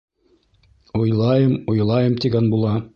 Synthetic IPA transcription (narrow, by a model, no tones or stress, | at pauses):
ojlˠɑjɤmojlˠɑjɤmt̪ʲiɡænbulˠɑ